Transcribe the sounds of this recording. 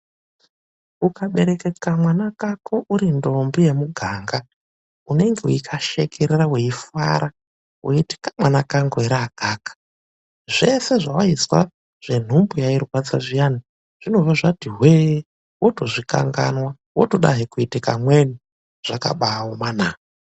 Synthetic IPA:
ukaɓe̞ɾekekamwanakakʰoʔuɾindo̞mbije̞muɡʱaːŋɡa | une̞ŋɡe̞uikʰaʃekʰeɾeraweifa̰ɾʔa | wʔoiti̥kḁmwanakaŋɡoeɾaaɡ̥ʱaːkḁ | ʐe̞se̞ʐawaiswa̰ | ʐ̥e̞n̤umbujairwat͡saʐijani | ʐ̥ino̞vaʐatiɦweː | woto̞ʐika̰ŋɡa̰nwa | woto̞ɗa̰ɦikuitikamweni | ʐ̥aka̰ɓaomanaːa

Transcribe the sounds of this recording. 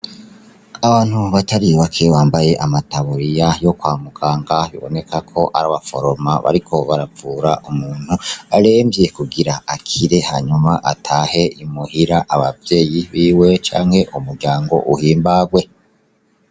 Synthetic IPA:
aβaːn̥huβataɾiβakʰe̞waːmbaje̞ʔamataβuɾijajo̞kwaːmukʰaːŋɡaβḭβo̞̰ne̞kʰakʰo̞ʔa̰ɾaβafo̞̰ɾo̞ma̰βa̰ɾikʰo̞βaɾavuːɾaʔumuːn̥huaɾeːmbje̞kuɡiɾaakʰiɾe̞haɲumaʔatʰaːhe̞imuhiɾaʔaβavje̞ːjiβiːwe̞t͡ʃa̰ːŋhe̞ʔumuɾɟaːŋɡo̞̰ʔuhiːmbaɡwe

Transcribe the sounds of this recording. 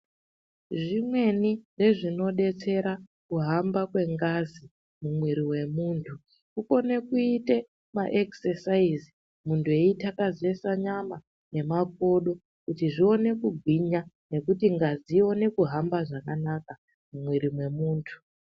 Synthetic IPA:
ʐimwe̞nire̞ʐino̞ɗe̞t͡se̞ɾakuɦambakwe̞ŋɡazi | mumwiɾiwe̞muːntʰu | kuko̞ne̞kuite̞ | maʔeksesaizi | muntʰue̞itakaze̞saɲama | ne̞mak̚o̞ɗo̞ | kutiʐio̞ne̞kuɡʱwiɲane̞kutiŋɡaziio̞ne̞kuɦambaʐakanaka | mumwiɾimwe̞muːntʰu̥

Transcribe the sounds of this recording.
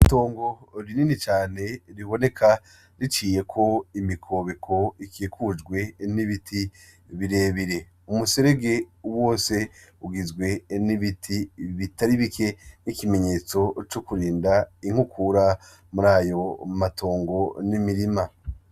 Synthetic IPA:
ito̞ːŋɡo̞ɾininit͡ʃaːne̞ɾiβo̞ne̞kʰa | ɾit͡ʃiːje̞kʰo̞imikʰo̞βekʰo̞ikikud͡ʒɡwe̞niβitʰi | βiɾeːβiɾe̞ | umuseɾe̞ɡe̞wo̞ːse̞uɡizɡwe̞niβitʰiβitaɾiβike̞nikime̞ɲe̞ːt͡so̞t͡ʃukuɾiːndaiŋ̥hukʰuɾa | muɾaːjo̞matʰo̞ːŋɡo̞nimiɾima

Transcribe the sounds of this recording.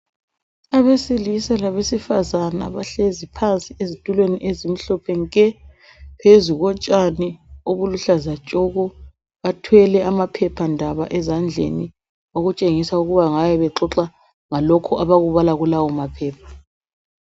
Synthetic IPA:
aβesilisalaβesifazana̰βaɬezipʰant͡sʼiezitʼulweniʔezim̩ɬɔpʰɛŋkʼɛ | pʰezuɣɔt͡ʃʼanioβuluɬazat͡ʃʼɔɣɔ | βatʰwɛlɛamapʰɛpʰandʱaβa̰ʔɛzand͡ɮʱḛni | oɣut͡ʃʼeŋisauɣuβaŋajɛβɛǁɔǁa | ŋalɔkʰɔʔaβaɣuβalaɣulawɔmapʰɛːp̚ʰḁ

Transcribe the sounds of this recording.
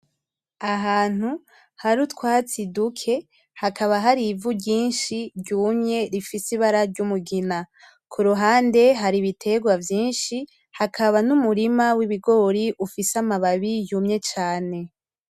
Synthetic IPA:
aɦaːn̥hu | haɾutkwat͡sidukʰe̞ | hakaβaɦaɾivuɾɟiːnʃiɾɟuːmɲe̞ɾifisiβaɾaɾɟumuɡina | kʰuɾuɦaːnde̞ɦaɾiβitʰe̞ɡwavjiːnʃi | hakʰaβanumuɾimawiβiɡo̞ɾiʔufisamaβaβijumɲe̞t͡ʃaːne̞

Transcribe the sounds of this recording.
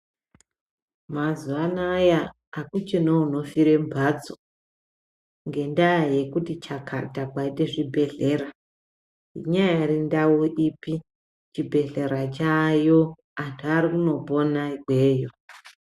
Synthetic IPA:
mazuanajaː | kut͡ʃenouno̞fiɾe̞mbʱad͡zo | ŋɡe̞ndaje̞kutit͡ʃakʰa̰takwaite̞ʐibʱe̞ɮe̞ra | ḭɲajairindauʔipi | t͡ʃibʱe̞ɮe̞ɾat͡ʃajo̞ | antʰuaɾikuno̞po̞naiɡʱweːjo

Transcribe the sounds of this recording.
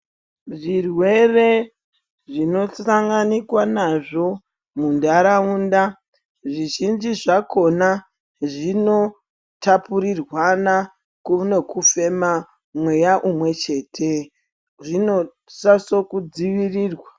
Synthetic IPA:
ʐirwe̞re̞ | ʐino̞saŋɡanikwanaʐo̞ | mundaɾauːnda | ʐiʒind͡ʒiʐako̞na | ʐino̞ | tapuɾirwana | kunekufe̞ma | mwe̞jaʔumwe̞t͡ʃe̞ːtʰe | ʐino̞ | saso̞kud͡ziʋiriːrwa

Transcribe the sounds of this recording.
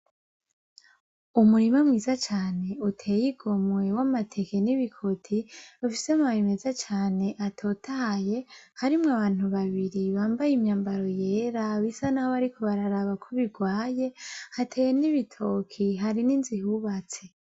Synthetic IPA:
umuɾimamŋiːzat͡ʃaːne̞utʰe̞ːjiɡo̞mwe̞wamatʰe̞ke̞niβikʰo̞tʰiufisemaβime̞zat͡ʃaːne̞ʔatʰo̞tʰaje̞haɾimŋaβaːn̥huβaβiɾiβaːmbajimɲaːmbaɾo̞je̞ːɾaβisanahoβaɾikʰoβaɾaɾaβakʰoβiɡwaːje̞hatʰeːjeniβitʰokʰiɦaɾininzihuβat͡se̞

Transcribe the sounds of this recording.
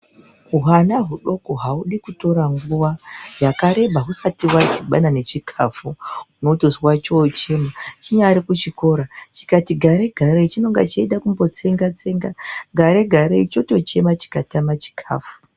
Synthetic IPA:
uɦanaɦuɗo̞koɦauɗikuto̞ɾaŋɡuwajakaɾe̞bʱaɦusatiwat͡ʃiɓanane̞t͡ʃikʰafuunotozwat͡ʃot͡ʃe̞mat͡ʃiɲaɾikut͡ʃiko̞ɾat͡ʃi̥katiɡʱaɾe̞ɡʱaɾeit͡ʃino̞ŋɡa̰t͡ʃaiɗakumbo̞t͡se̞ŋɡat͡se̞ŋɡaɡʱaɾe̞ɡʱaɾeit͡ʃo̞to̞t͡ʃe̞mat͡ʃi̥katamat͡ʃi̥kʰa̰ːfu̥

